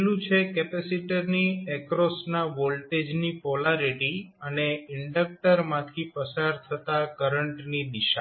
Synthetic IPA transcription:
lũt͡ʃʰekɛpɛsiʈəɾniɛkɾɔsnaʋolʈed͡ʒnipɔlaɾiʈiəneɪɳɖək̚ʈəɾmãt̪ʰipəsaɾt̪ʰət̪akəɾəɳʈnid̪ɪʃa

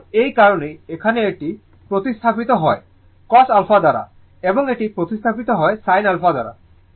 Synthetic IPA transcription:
ejkaɾoneekʰaneeʈi | pɾot̪ist̪ʰapit̪ɔɦɔe | kɔsalfʰad̪aɾa̰ | ebɔŋeʈipɾot̪ist̪ʰapit̪ɔɦɔesajnalfʰad̪a̰ɾa̰

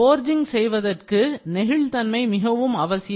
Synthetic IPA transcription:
oːɾd͡ʒɪŋsɛjʋɐðɐrkɯnɛɣɪɭt̪ɐnmɐɪmɪɣɐʋɯmɐʋɐsɪj

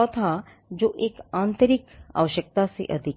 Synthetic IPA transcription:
ɔt̪ʰa | d͡ʒoːʔeːkãːnt̪əɾɪka̰ːʋəʃjək̚t̪asḛʔɐd̪ʱɪk

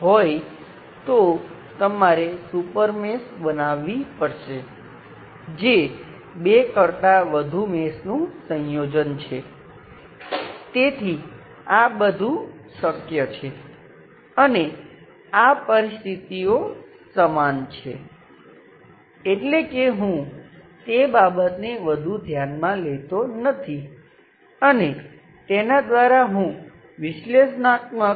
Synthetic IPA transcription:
ɦoj | t̪o | t̪əmaɾesupəɾmesbənaʋipəɾʃe | d͡ʒe | bekəɾt̪aʋəd̪ʱumesnũsə̃jod͡ʒənt͡ʃʰe | t̪et̪ʰi | abəd̪ʱũsəkjət͡ʃʰe | əne | apəɾist̪ʰit̪io | səmant͡ʃʰḛ | eʈlekeɦũt̪ebabət̪neʋəd̪ʱud̪ʱjanmãlet̪onət̪ʰi | əne | t̪enad̪ʋaɾaɦũ | ʋɪʃleʃnat̪mə

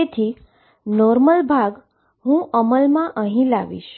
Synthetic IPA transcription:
et̪ʰiː | nɔɾməlbʱaɡ | ɦũːʔəməlmaʔə̃ɦĩla̰ʋḭːɕ

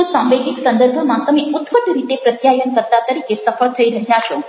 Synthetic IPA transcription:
ũsãmʋeɡɪksənd̪əɾbʱomãt̪əmeʊt̪pəʈ̪ɾit̪epɾət̪jajənkəɾt̪at̪əɾikesəfəɭt̪ʰəiɾəɦjaʃo

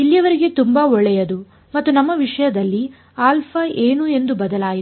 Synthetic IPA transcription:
ilːijɐʋɐɾiɡe̞t̪umbaːɔɭɛjɐd̪u | mɐt̪ːunɐmːɐʋiʂɐjɐd̪ɐlːi | aːlpʰɐeːnue̞nd̪ubɐd̪ɐlaːji

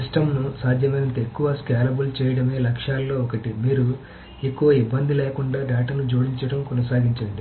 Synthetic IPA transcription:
isʈɐmnusaːd̪ʱjɐmɐjnɐnt̪ɐekːuʋɐskeːlɐbult͡ʃɛːjɐɽɐme̞ːlɐkʂaːlːo̞ːɔkɐʈimiːɾu | e̞kːuʋɐibːɐnd̪ileːkuɳɖaːɖaːʈɐnud͡ʒuːɽiɲt͡ʃɐɽɐmkɔnɐsaːɡiɲt͡ʃɐɳɖi

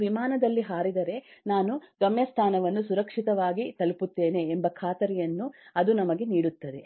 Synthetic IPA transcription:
ʋimaːnɐd̪ɐlːiɦaːɾid̪ɐɾe̞naːnuɡɐmjɐst̪ʰaːnɐʋɐnːusuɾɐkʂit̪ɐʋaːɡit̪ɐlput̪ːe̞ːne̞ːmbɐkʰaːt̪ɐɾɛjɐnːuɐd̪unɐmɐɡe̞niːɽut̪ːɐd̪e̞

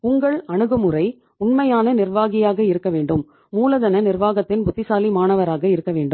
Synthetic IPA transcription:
ʊŋɡɐɭɐɳɯɣɐmɯrɐɪ | ʊɳmɐjaːnɐnɪrʋaːɣɪjaːɣɐɪɾɯkːɐʋeːɳɖɯmː | uːlɐðɐnɐnɪrʋaːɣɐt̪ːɪnbʊt̪ːɪsaːlimaːnɐʋɐɾaːɣɐɪɾɯkːɐʋeːɳɖɯ

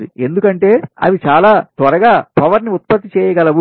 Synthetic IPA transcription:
d̪ie̞nd̪ukɐɳʈe̞ːɐ̰ʋit͡ʃaːlaːt̪ʋɐɾɐɡaːpɐʋɐɾniut̪̚pɐt̪ːit͡ʃɛːjɐɡɐlɐʋ

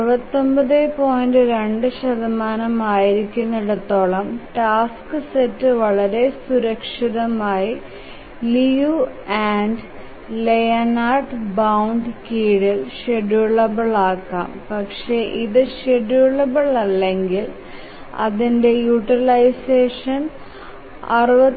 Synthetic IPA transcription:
pɐt̪ːo̞mbɐðepo̞ːjndɨɾeɳɖɨɕɐðɐmaːnɐmaːjiɾikʲːunːɐɽɐt̪ːo̞ːɭɐmʈaːskɨsetːɨʋɐɭɐɾe̞suɾɐkʂiðɐmaːji | liju | aːnɖ | lejɐnaːrɖbɐwɳɖkiːɽilʂeɽuɭːɐbɐɭaːkːa̰ːmpɐkʂe̞ʔiðɨɕeɽuɭːɐbɐɭɐlːe̞ŋɡil | ɐ̰ðinde̞juʈrilɐjseːʂɐn | ɐ̰rɨʋɐ

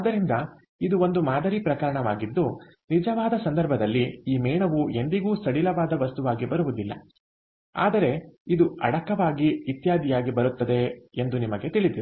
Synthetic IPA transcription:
ad̪ːɐɾind̪ɐ | id̪uo̞nd̪umaːd̪ɐɾipɾɐkɐɾɐɳɐʋa̰ːɡid̪ːu | nid͡ʒɐʋaːd̪ɐsɐnd̪ɐɾbʱɐd̪ɐlːiiːmɛːɳɐʋue̞nd̪iɡuːsɐɽilɐʋaːd̪ɐʋɐst̪uʋaːɡibɐɾuʋud̪ilːɐ̰ | a̰ːd̪ɐɾe̞id̪uɐ̰ɽɐkɐʋaːɡiit̪jaːd̪ijaːɡibɐɾut̪ːɐd̪e̞end̪unimɐɡe̞t̪iɭid̪iɾu

